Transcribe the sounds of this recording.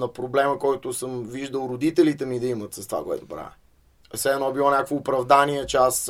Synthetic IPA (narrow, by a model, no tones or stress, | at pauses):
nɐpɾoblɛməkɔjt̪ʊsəmviʒd̪əlˠɾod̪it̪ɛlit̪ɛmid̪ɐimət̪səst̪va̰koɛ̰t̪ʊbɾa̰ɛ | sɛɛnɔbilˠɔnʲakəkvoːpɾɐvd̪aniɛt͡ʃɛas